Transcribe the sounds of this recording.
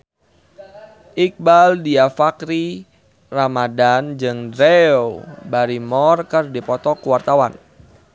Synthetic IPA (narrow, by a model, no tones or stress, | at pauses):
ʔik̚baldiafakɾi | ramadand͡ʒɨŋdɾeobaɾimɔrkərdipɔt̪ɔkuwart̪awan